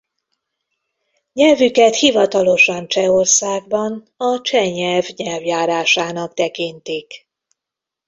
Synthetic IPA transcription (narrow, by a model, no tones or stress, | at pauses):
ɲɛlvykɛt̪hivɒt̪ɒlo̞ʃɒnt͡ʃɛorsaːɡbɒn | ɒt͡ʃɛɲɛlvɲɛlvjaːɾaːʃaːnɒkt̪ɛkint̪ik